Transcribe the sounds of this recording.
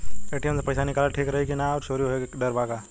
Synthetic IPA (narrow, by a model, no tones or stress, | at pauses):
eːʈijəmsepɐjsanɪkaːlaʈʰiːkɾɐɦekinaɔɾt͡ʃoːɾijoɦeɖəɾbaːka